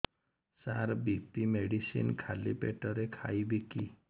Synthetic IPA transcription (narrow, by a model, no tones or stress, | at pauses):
saɾbipimeɽisḭnkʰalipeʈɔɾekʰajbiki